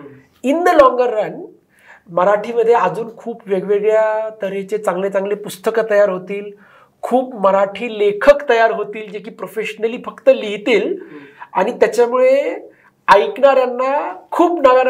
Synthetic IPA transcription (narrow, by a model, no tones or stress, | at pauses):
ind̪lɔ̃ŋɡəɾːan | məɾaʈʰiːməd̪ʱːjead͡zuːnkʰuːpʋeɡʋeɡɭjat̪əɾet͡ɕet͡sãŋɡlet͡sãŋɡlepust̪əkət̪əjaɾɦot̪iːl | kʰuːpməɾaʈʰiːlekʰəkt̪əjaɾɦot̪iːld͡ʑekiːpɾofeɕənəliːfəkt̪əliɦt̪iːla̰ɽ̃it̪jat͡ɕjamuɭe | aikɳaɾjanːakʰuːpnaɡa